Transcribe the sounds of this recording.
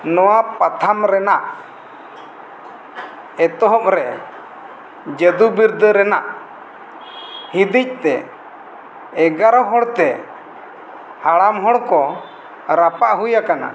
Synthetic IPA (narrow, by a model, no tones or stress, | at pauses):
nɔwapat̪ʰamɾɛnaʔ | ɛt̪ɔɦɔʔɾɛ | d͡ʒəd̪ubiɾd̪əɾɛnaʔ | hid̪ic̚ˀt̪ɛ | ɡaɾɔɦɔɽt̪ɛ | haɽamɦɔɽkɔ | ɾapaʔɦujakana̰